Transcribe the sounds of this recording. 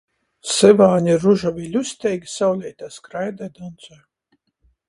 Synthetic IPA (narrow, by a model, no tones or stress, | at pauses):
sɛvaːnʲiɾuʒavʲilʲusʲt̪ʲɛjɡʲisawlʲɛjt̪aːskɾajd̪ajd̪ɔnt̪sɔj